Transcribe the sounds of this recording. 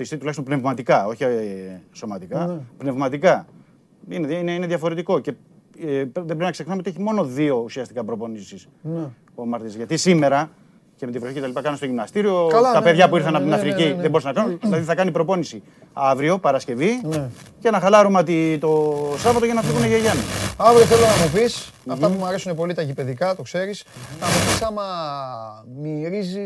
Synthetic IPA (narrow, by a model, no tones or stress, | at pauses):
t̪ist̪it̪ulɐçst̪mpne̞vmɐt̪ikɐo̞çi | so̞mɐt̪ikɐpne̞vmɐt̪ikɐ | ineineineðʝɐfo̞ɾe̞t̪iko̞ce̞ | pðebɾeinɐkse̞xnɐmeot̪ieçimo̞no̞ðio̞usiɐst̪ikɐpɾo̞po̞nisis | o̞mɐɾt̪izʝɐt̪isime̞ɾɐ | cemet̪ivɾoçiceɐlipɐkɐnɐnst̪oʝimnɐst̪iɾio̞lt̪ɐpe̞ðʝɐpuiɾθɐnɐpt̪inɐfɾiciðebo̞ɾisɐnɐkɐnunðilɐðiθɐkɐnipɾopo̞nisi | ɐvɾio̞pɐɾɐsce̞vincenɐxɐlɐɾumeot̪it̪o̞sɐvɐt̪oʝenɐfiɣuneʝeʝɐniɐvɾioθelonɐmopis | ɐfɐpumɐɾe̞sunepo̞lit̪ɐʝipe̞ðikɐt̪okse̞ɾis | nɐmopisɐmɐ | miɾizi